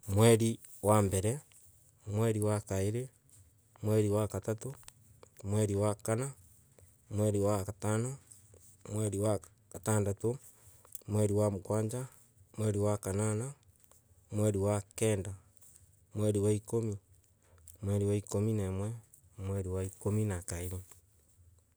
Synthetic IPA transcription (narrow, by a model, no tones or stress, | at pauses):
mwɛɾi | wambɛɾɛ | mwɛɾiwakaeɾe | mwɛɾiwakatato | mweɾiwakana | mwɛɾiwakatana | mweɾiwa | kataːndato | mwɛɾiwamkwaːɲd͡ʒa | mwɛɾiwakanana | mwɛɾiwakɛːnda | mwɛɾiwaikomi | mwɛɾiwaikominɛmwɛ | mwɛɾiwaikominakaeɾe